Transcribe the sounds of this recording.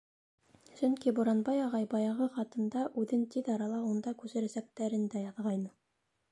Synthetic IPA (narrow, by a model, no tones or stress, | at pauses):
sɵŋkibŏɾɑnbɑjɑʁɑjbɑjɑʁɤχɑt̪ɤ̆nd̪ɑʔʉðɘnt̪iðɑɾɑlˠɑund̪ɑkʉsɘ̆ɾæsæk̚t̪æɾɘ̆nd̪æjɑðʁɑjnɤ